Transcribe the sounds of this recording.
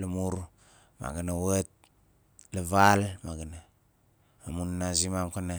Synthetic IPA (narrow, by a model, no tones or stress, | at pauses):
lamuɾ | ma̰ɡanawat̚ | laβalmaɡanaː | munnazimamkana